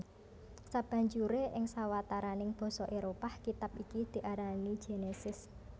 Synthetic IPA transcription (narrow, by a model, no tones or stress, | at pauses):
sab̥a̤ɲd͡ʒuɾeʔɪŋsawat̪aɾanɪŋb̥ɔ̤sɔʔeɾopahkit̪ap̚ikid̪̥i̤ʔaɾani̥d͡ʒ̥e̤nesɪs